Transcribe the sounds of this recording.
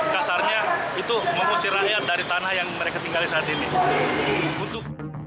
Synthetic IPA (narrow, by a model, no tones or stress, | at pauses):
kasarɲait̪uməmursiɾajat̪̚daɾit̪anahjaŋməɾekat̪iŋɡalisaat̪ini | unt̪ʊk̚